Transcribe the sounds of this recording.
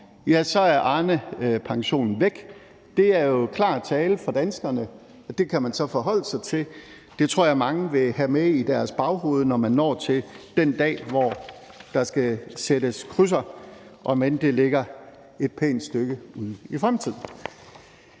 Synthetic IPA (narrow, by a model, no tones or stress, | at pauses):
jæsɒ̽æɐʔɑ̈ːnəpʰɑ̈ŋɕo̝̰ːnn̩ʋeɡ̥ | d̥e̝æɐjo̝kʰlɑ̈ːt͡sʰɛːləfɒ̽d̥ænsɡ̥ɐnə | ɒ̽d̥e̝kʰæmænsɒ̽fɒ̽ɦɒ̽l̰əsɑ̈ɪt͡sʰe̝l | d̥e̝t͡sʰʁo̝ɐ̰jɑ̈mɑ̈ŋəʋe̝ɦæmeid̥æɐsb̥ɑ̈ʊɦo̝̰ːð̞ˠnɒmænːɒ̰ːt͡sʰe̝ld̥end̥ɛ̰ːʋɒ | d̥ɑ̈sɡ̥æseɾəskʰʁys̬ɐʔɒ̽mend̥e̝leɡ̥ɐ | e̝d̥̚pʰḛːnd̥sd̥øɡ̥əuð̰ˠifʁamt͡sʰið̞̰ˠn̩